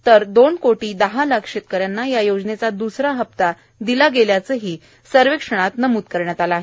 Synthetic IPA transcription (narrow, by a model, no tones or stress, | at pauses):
t̪əɾd̪onkoʈiːd̪əɦalakʂet̪̚kəɾjanːajajod͡znet͡sad̪usɾaɦəp̚t̪a | d̪ilaɡeljat͡səɦiː | səɾʋekʂəɽ̃at̪nəmuːt̪̚kəɾɳjat̪alaːɦe